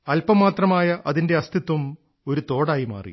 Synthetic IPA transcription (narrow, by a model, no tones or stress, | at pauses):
ɐlpɐmːaːt̪rɐmaːjɐʔɐðinde̞ɐst̪ʰit̪ːɐm | o̞ɾut̪o̞ːɽaːjima̰ːrḭ